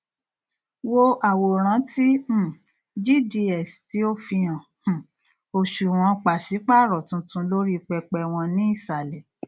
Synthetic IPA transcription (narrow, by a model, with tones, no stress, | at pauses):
wo˦ʔa˨wo˨ɾ̃ã˨˦tĩ˦˨ | d͡ʒi˦˨di˧ɛ˨sti˨˦o˦fĩ˧ã˨˦˨ | o˨ʃu˨w̃ɔ̃˧k͡pa˨si˨˦k͡pa˦˨ɾɔ˨tũ˧tũ˧lo˦ɾi˦˧k͡pɛ˧k͡pɛ˧w̃ɔ̃˧nĩ˦i˦˨sa˨lɛ˨